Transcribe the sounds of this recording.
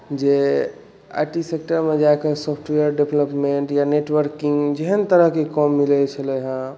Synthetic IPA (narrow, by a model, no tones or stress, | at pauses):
d͡ʒe | a̰jʈisek̚ʈəɾmed͡ʒaekesɔpʰʈweəɾɖebləpmẽɳʈjaneʈwəɾkĩŋɡd͡ʒeɦənt̪əɾəɦkekɔmːilɛt͡ʃʰəlɛɦə̃